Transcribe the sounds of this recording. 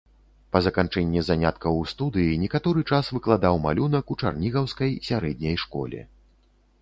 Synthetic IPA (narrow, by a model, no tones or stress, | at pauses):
pɐzɐkant͡ʂɛnʲːɛzanʲat̪̚kɐwst̪ud̪ɨjinʲɛkat̪ɔɾɨt͡ʂasvɨklˠad̪awma̰lʲunɐkut͡ʂa̰rnʲiɣɐwskɐjsʲaɾɛd̪ʲnʲɐjʂkɔ̰lʲɛ̰